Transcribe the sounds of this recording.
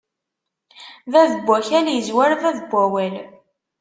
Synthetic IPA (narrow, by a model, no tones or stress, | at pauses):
ðæðəbʷːæçæljəzwæɾðæðbʷːæwæl